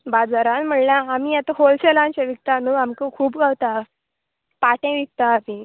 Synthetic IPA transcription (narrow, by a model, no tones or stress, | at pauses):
bad͡zaɾãnm̤əɳlaamiat̪aɦolselãnt͡ɕaʋik̚t̪anuamkəkʰuːpɡawt̪a | paʈẽʋik̚t̪apĩ